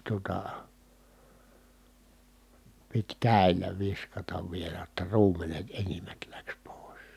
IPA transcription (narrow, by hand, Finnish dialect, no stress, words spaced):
tuotɑ pit kæˑi̯lˑæ ʋiskɑtɑʋ ʋielæ j̆otːɑ ruːmˑenet enimːæt læks poˑi̯s